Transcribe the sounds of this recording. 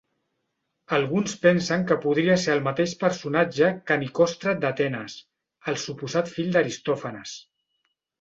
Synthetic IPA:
əlˠɣunspɛnsəŋkəpuð̞ɾiəseɾəlˠmət̪eʃpəɾsunad͡ʒəkanikɔst̪ɾəd̪at̪ɛnəs | əlˠsupuzat̪fiʎd̪əɾist̪ɔfənəs

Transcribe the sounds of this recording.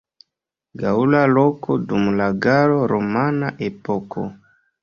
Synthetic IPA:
ɡaulalokʰodumlaɡaɾoɾomanaʔepokʰo̰

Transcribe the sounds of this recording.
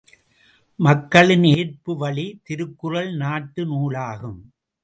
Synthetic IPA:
mɐkːɐɭɪneːrpɯʋɐɭit̪ɪɾɯkːɯrɐɭnaːʈːɯnuːɭaːɣɯm

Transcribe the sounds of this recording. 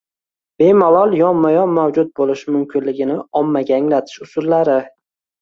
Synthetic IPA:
b̥e̞malˠɒlˠjɒnmajɒnmawd͡ʒʊt̪̚bolɪʃmʊmkʰʲɪnlɪɡʲɪnɪɒmːaɡʲaːŋlat̪ʰɪ̥ʃʊsʊlːaɾɪ

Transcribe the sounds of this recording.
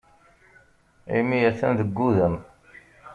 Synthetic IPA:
ḭmijæθænðəɡːuðən

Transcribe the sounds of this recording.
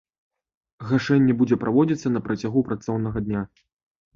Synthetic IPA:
ɣaʂɛnʲːɛbud͡zʲɛpɾavɔd͡zʲit̪sːɐnɐpɾɐt͡sʲaɣupɾat̪sɔwnɐɣɐd̪ʲnʲa

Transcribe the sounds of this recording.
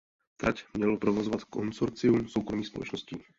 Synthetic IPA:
t̪ɾacmɲɛlopɾovozovat̪konsoɾt͡sɪumsowkɾomiːxspolɛ̰t͡ʃnosciː

